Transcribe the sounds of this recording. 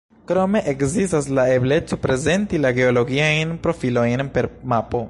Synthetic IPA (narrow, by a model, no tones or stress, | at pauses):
kɾo̞me̞ʔekzistaslaeble̞t͡so̞pɾe̞ze̞ntilaɡe̞olo̞ɡiajnpɾo̞filo̞jnpe̞ɾmapo̞